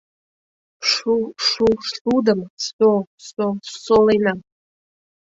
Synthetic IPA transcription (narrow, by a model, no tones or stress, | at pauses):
ʂuʂuʂɬudamsososːolejnam